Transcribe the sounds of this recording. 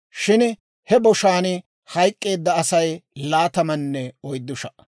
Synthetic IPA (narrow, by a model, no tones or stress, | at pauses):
ʃɪn | hɛbɔʃaːnɪ | hɐjkʼːe̞ːd̪ːɐːsɐjlaːt̪ɐmɐnːɛɔjd̪ːʊʃɐ